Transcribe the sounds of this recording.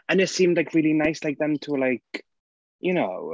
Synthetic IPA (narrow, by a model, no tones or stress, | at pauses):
ə̃nɪtsĩːmd̥ˡlaɪkʰɹiːlˠinaɪslaɪk̚ðə̃mtʰəlaɪk | jəno̰ʊ